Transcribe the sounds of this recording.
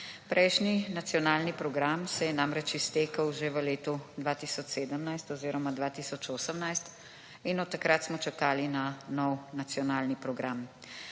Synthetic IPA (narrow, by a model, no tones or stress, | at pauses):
pɾʔɛjʃninat̪sijɔnaːlnipɾɔɡɾamsɛjɛnamɾɛt͡ʃist̪eːkəwʒeʋəleːt̪ud̪ʋaːt̪isɔt͡ʃseːd̪əmnajst̪ɔziːɾɔmad̪ʋaːt̪isɔt͡ʃoːsəmnajst̪ | inɔt̪ːakɾat̪smɔt͡ʃakaːlinanɔwnat̪sjɔnaːlnipɾɔɡɾam